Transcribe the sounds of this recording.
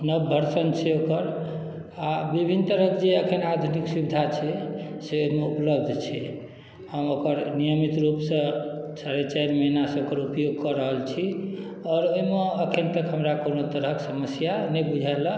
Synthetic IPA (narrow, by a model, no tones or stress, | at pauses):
nəbbʱəɾsənt͡ʃʰeokəɾ | abibʱint̪əɾəkʰd͡ʒeəkʰənad̪ʱuniksubid̪ʱat͡ʃʰɛseoimeupləbd̪ʱt͡ʃʰɛ | həmokəɾnijəmit̪ɾupsə̃saɾet͡ʃaiɾməɦinasẽokəɾupjoɡ̚kɔɾəɦəlt͡ʃʰi | ɔːɾojmeəkʰənt̪əkɦəmɾakonot̪əɾəksəməsjanɛbud͡ʒʱalə